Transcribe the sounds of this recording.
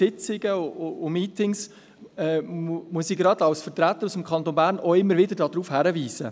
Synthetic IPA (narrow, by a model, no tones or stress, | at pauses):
ɪt͡sɪɡəʊʊʊmiːtɪŋs | ɛmuəsiɡɾɑd̪ɑwsfətɾæt̪ːəɾusəmkʰχɑnt̪onbæːɾnoɪmːəɾvɪdəɾdɑd̥ɾuːfhæɾəviːsə